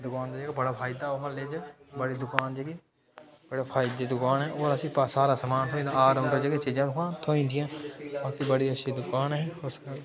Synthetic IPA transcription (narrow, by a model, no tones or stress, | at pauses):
d̪ʊkaːnd̪aːd͡ʒeːɡaːbəɽaːpʰaːɪd̪aːoɦaleːd͡ʒ | bəɽiːd̪ʊkaːnd͡ʒeːɡiː | bəɽaːpʰaːɪd̪eːd̪ʊkaːnɦɛːoːɾəsĩːpasaːɾaːsəmaːnt̪ʰoːĩːd̪ãːaːɾʊ̃ɳɖed͡ʒeːɡẽːt͡ʃiːd͡ʒãːʊkãːt̪ʰoːĩːnd̪ɪjãːbãːkibəɽiːətːʃʰiːd̪ʊkaːnɦɛːʊskəl